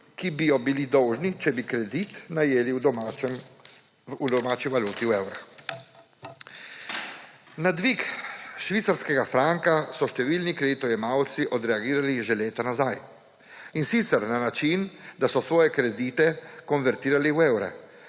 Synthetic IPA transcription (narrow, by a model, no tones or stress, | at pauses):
kibijɔbilid̪ɔwʒnit͡ʃɛbikɾɛd̪it̪najeːliw̪m | ud̪ɔmaːt͡ʃiʋaluːt̪iwewɾax | nad̪ʋikʃʋit̪saɾskɛɡafɾaŋkasɔʃt̪ɛʋiːlnikɾɛd̪it̪ɔjɛmawt̪siʔɔd̪ɾɛaɡiːɾaliʒɛleːt̪anazaj | insit̪sɛɾnanat͡ʃind̪asɔsʋɔːjɛkɾɛd̪it̪ɛkɔnʋɛɾt̪iːɾaliwewɾɛ̰